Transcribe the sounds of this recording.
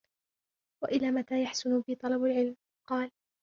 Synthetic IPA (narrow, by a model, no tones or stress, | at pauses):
waʔɪlaːmat̪aːjaħsʊnʊbɪt̪ˤɑlɑbalʕɪlm | qɑːl